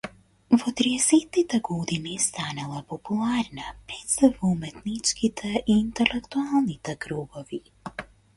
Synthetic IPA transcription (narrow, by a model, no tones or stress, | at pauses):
vɔt̪ɾiɛseːt̪nit̪ɛɡɔd̪inist̪aːnalˠapɔpulˠaːɾnapɾɛt̪sɛvumɛt̪nit͡ʃkit̪ʰɛʔiːnt̪ɛlɛkt̪ualnit̪ɛkɾuɡɔvi